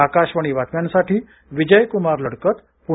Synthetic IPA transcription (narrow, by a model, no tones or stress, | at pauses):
akaɕʋəɳ̃iʋat̪mjansaʈʰiː | ʋid͡ʑəjkumaɾləɽkət̪ | pu